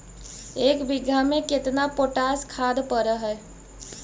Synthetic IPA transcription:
eːkbɪɡʱamẽkɪt̪napoʈaskʰad̪pəɾəɦɛ

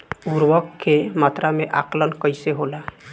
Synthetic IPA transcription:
uɾwəkːemat̪ɾameʔaklənkəɪseɦola

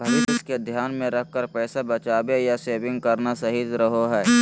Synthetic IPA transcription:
bʱɐɾɪɪsked̪ʱjaːnmẽɾɐk̚kəɾpɛːsabɐt͡ʃaːbejaseːʋɪ̃ŋɡ̚kɐɾnasɐɦid͡ʒɾɐɦoɦɛː

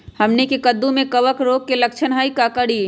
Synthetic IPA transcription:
hɐmnekekɐd̪ːũmẽkɐʋəkɾoːɡ̚kelɐkt͡ʃʰənɦaːikakəɽiː

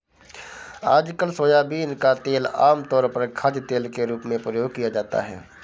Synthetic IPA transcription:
aːd͡ʒkəlsoːjaːbʱiːnkat̪eːlaːmt̪ɔːɾpɐɾkʰad͡ʒt̪eːlkeɾuːpmẽpɾəjoːɡ̚kijad͡ʒaːt̪a̰ɦɛ̰ː

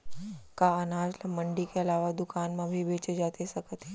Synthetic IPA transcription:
kaɐnaːd͡ʒləmɐ̃ɳɖikeɐlaːʋad̪ʊkaːnmẽbʱibeːt͡ʃed͡ʒaːt̪esɐkət̪ɦeː

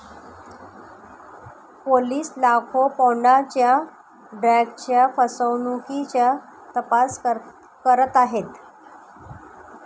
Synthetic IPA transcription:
poliːslakʰopowɳat͡ɕja | ɖɾɛɡt͡ɕjafəsəwnukit͡ɕja | t̪əpas | kəɾət̪aɦet̪

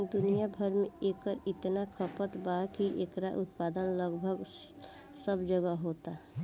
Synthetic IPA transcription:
d̪ʊnijabʱəɾmẽeːkːəɾɪt̪nakʰəpət̪bakiʔeːkɾaʔʊt̪paːd̪ənləɡbʱəɡ | səbd͡ʒəɡaɦoːt̪a

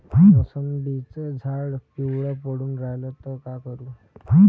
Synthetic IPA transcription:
əsənd̪it͡səd͡zʱaɽkiwɽapəɽuːnɾajlət̪ɔkakəɾuː

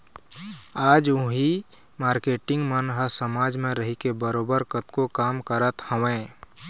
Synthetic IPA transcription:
aːd͡ʒʊ̃ɦi | maːɾkeːʈɪ̃ŋɡmənɦəsəmaːd͡ʒmẽɾəɦikebəɾoːbəɾkət̪kokaːmkəɾət̪həʋẽː

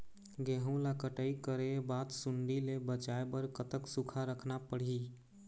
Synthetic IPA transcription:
ɡeɦũlakəʈəikəɾebat̪suɳɖilebət͡ʃaebəɾkət̪əksukʰaɾəkʰnapəɽ̤i

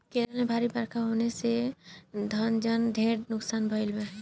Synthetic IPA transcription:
keːɾəlmẽbʱaːɾibəɾkʰaɦoːnese | d̪ʱənd͡ʒənd̪ʱẽːɽnʊksaːnbʱəɪlmẽɦ

